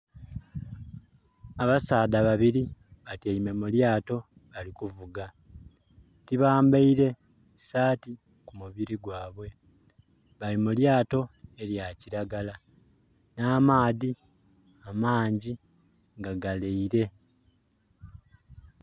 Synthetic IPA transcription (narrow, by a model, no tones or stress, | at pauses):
aβasaːdaβaβiɾiβateime̞muljaːto̞ | βalikuvuɡa | tiβaːmbaiɾe̞ | saːti | kumuβiɾiɡwaːβwe̞ | βalimuljaːto̞e̞ljaciɾaɡala | naːmaːði | amaːɲɟi | ŋɡaɡaleiɾe̞